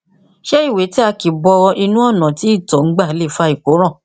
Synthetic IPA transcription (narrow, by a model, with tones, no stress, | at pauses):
ʃɛ˦i˦˨we˨˦ti˦a˧ki˨bɔ˧ʔi˧nũ˦ɔ˦˨nã˨ti˨˦i˦˨tɔ˨ŋ̩˦ɡ͡ba˦˨˦le˦˨fa˧i˨ko˨˦ɾ̃ã˦˨